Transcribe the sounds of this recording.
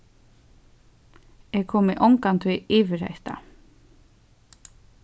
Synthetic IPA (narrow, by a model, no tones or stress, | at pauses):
ɛkʰɔːmɪʔɔwŋkant̪ʰviiːvɪɾhḛht̪a̰